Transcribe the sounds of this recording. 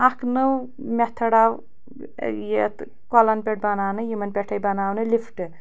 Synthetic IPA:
aknɨw | mʲet̪ʰɐɽaw | jet̪ | kɔlɐnpeʈ̚bɐnaːwnɨjimɐnpʲeʈʰɐjbɐnaːwnɨlipʰʈɨ

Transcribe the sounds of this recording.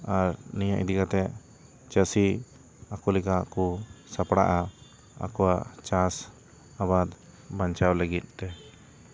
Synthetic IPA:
aɾnijaʔd̪ikat̪ɛ | t͡ʃəsi | akulɛkakusapɽa̰ʔa | a̰kɔwaʔt͡ʃas | abad̪ | baɲt͡ʃawləɡit̪̚ˀt̪ɛ

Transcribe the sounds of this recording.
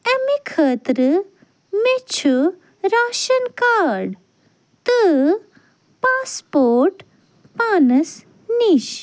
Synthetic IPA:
ɐmikʰəːt̪ɾɨ | met͡ʃʰu | ɾaːʃɐnkaːɽ | t̪ə | paːspoːɾʈ | paːnɐs | niʃ

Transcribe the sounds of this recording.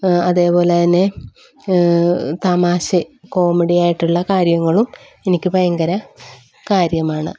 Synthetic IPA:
ɐðe̞ːpo̞ːlet̪ɐnːe̞ | t̪aːmaːɕiko̞ːmeɽijaːjiʈːuɭːɐkaːɾjɐŋːɐɭum | enikʲːɨpɐjɐŋɡɐɾɐ | kaːɾjɐmaːɳɨ̰

